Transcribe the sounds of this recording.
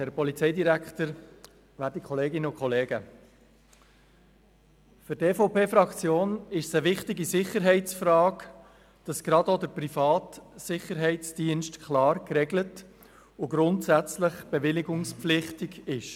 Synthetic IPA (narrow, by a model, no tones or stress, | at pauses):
hɛɾpɔlit͡sɛɪdiɾækχtəɾ | ʋæːtikʰχɔleːɡɪnəʊkχɔleːɡə | fʏɾteːfoʊpeːfɾɑkt͡sjoːnɪʃsəʋɪχtɪɡisɪχəɾɦɛɪt͡sfɾɑːk | d̥ɑsɡ̥ɾɑdodəɾprifɑːtsɪχːəɾɦɛɪt͡sd̥iənʃtkʰlɑːɾkrɛɡlət | ʊɡɾʊntsæt͡sləχb̥eʋɪlɪɡʊŋspflɪχtɪɡɪʃ